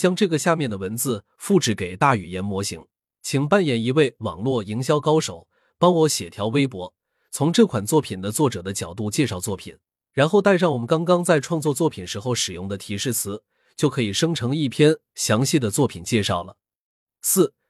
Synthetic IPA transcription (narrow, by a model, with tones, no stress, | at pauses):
t͡ɕjɑ˥ŋʈ͡ʂɤ˥˩ɡə˩ɕja˥˧mjɛ˥˩nd̪ə˩wə˧˥nt͡sɹ̩˥˧ | fu˥˩ʈ͡ʂɻ̩˧˥ke˨˩ɪt̪a˥˩y˨˩jɛ˧˥nmwɔ˧˥ɕḭ˧˥ŋ | t͡ɕʰi˨˩ŋpa˥˩njɛ˨˩ni˧˥we˥˩ɪwɑ̰˨˩ŋlwɔ˥˩i˧˥ŋɕ̬jɑ˥ʊkɑ˥ʊʂo˨˩ʊ | pɑ˥ŋwɔ˧˥ɕjɛ˨˩t̪ʰjɑ˧˥ʊwe˥ɪpwɔ˧˥ | t͡sʰʊ˧˥ŋʈ͡ʂɤ˥˩kʰwa˨˩nt͡swɔ˥˩pʰi˨˩nd̪ə˦t͡swɔ˥˩ʈ͡ʂɤ˨˩d̪ə˦t͡ɕjɑ˨˩ʊt̪̬u˥˧t͡ɕjɛ˥˧ʂɑ˥˩ʊt͡swɔ˥˩pʰḭ˨˩˦n | ɻa˧˥nxo˥˧ʊt̪a˥˧ɪʂ̬ɑ˥˩wɔ˨˩mə˦nkɑ˥ŋkɑ˥ŋt͡sa˥˧ɪʈ͡ʂʰwɑ˥˧ŋt͡swɔ˥˧t͡swɔ˥˩pʰi˨˩nʂɻ̩˧˥xo˥˩ʊʂɻ̩˨˩jʊ˥˩ŋd̪ə˩t̪ʰi˧˥ʂɻ̩˥˩t͡sʰɹ̩˧˥ | t͡ɕjo˥˩ʊkʰɤ˧˥i˨˩ʂɤ˥ŋʈ͡ʂʰɤ˧˥ŋi˥˩pʰjɛ˥n | ɕjɑ˧˥ŋɕi˥˩d̪ə˩t͡swɔ˥˩pʰi˨˩nt͡ɕjɛ˥˧ʂɑ˥˩ʊlə˩ | sɹ̩˥˩